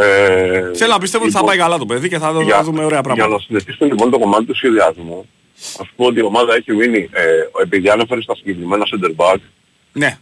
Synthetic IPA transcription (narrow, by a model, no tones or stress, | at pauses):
eθelonɐpist̪e̞vot̪iθɐpɐjkɐlɐt̪opeðiceθɐðɐðumeoɾeɐpɾɐɣmɐnɐsineçisumelipo̞nt̪o̞ko̞mɐt̪it̪usçe̞ðiɐzmu | ɐ̰spoo̞t̪̬io̞mɐðɐeçiminiee̞piðiɐne̞fe̞ɾest̪ɐsiɲɟe̞kɾime̞nɐsend̪eɾbɐɡ | ne̞